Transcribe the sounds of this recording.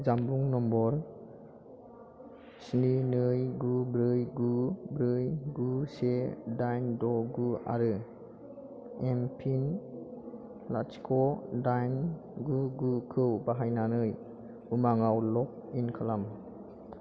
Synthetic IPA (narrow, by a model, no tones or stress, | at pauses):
d͡ʒambuŋnɔmbɔɾ | sninɯjɡubɾɯjɡubɾɯjɡusedajndɔɡua̰ɾɯ | empʰin | laskʰɔdajn | ɡuɡukʰɯwbaɦajnanɯj | umaŋawlɔk̚inkʰalam